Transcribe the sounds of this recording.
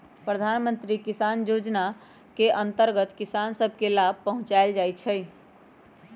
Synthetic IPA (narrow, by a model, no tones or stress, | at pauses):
pɾəd̪ʱaːnmə̃nt̪ɾikɪsaːnjoːd͡ʒna | keʔə̃nt̪əɾɡət̪kɪsaːnsəbʱkelaːb̚ʱpəɦʊ̃t͡ʃaeld͡ʒaːjt͡ʃʰɛj